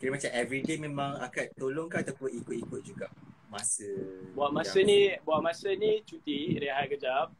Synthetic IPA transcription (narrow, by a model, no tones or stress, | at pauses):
kiɾəmat͡ʃamɛvɾidemẽmãŋa̰katt̪ːoloŋkaat̪apʊnikʊt̪̚ikʊt̪̚d͡ʒuɡaʔmasəbuaʔmasənĩbuaʔmasənit͡ʃut̪iɾeɦajkəd͡ʒap̚